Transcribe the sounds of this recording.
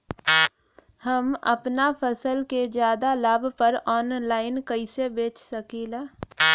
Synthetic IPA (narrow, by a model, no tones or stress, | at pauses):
həmə̰pnapʰəsəlked͡ʒjaːd̪alaːbʱpəɾɔːnlaːɪnkəɪsebeːt͡ʃsəkiːlaː